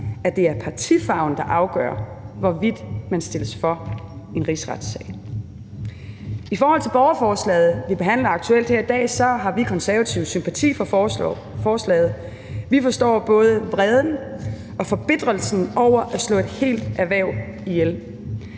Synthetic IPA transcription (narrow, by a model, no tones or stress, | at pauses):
æd̥e̝æɐpʰɑ̈t͡sʰifɑ̈ʊn̩d̥ɑ̈ʔɑ̈ʊɡ̥œːɐ̰ʋɒʋid̥mænsd̥e̝ləsfɒ̽e̝nʁisʁɑd̥sɛɪ | ifɒːhɒl̰t͡sʰe̝lb̥ɒʊɐfɒːslɛ̰ːð̞̩ˠʋib̥e̝ɦæn̰lɐɑɡ̥̚t͡sʰuel̰d̥hæɐid̥ɛ̰ːsɒ̽ɦɑ̈ʋikʰɒ̽nsæɐʋæt͡sʰḭʊsympʰæt͡sʰḭːf | fɒːslɛ̰ːð̞̩ˠ | ʋifɒ̽sd̥ɒ̰ːb̥ɔ̽ːð̞ˠəʋʁɛð̞ˠn̩ | ʔɒ̽fɒ̽b̥e̝d̥ʁɐlsn̩ʔɒʊ̰ɐʔæslɔ̰̽ːe̝d̥he̝̰ːld̥æɐʋæɐ̰ʊ | ijel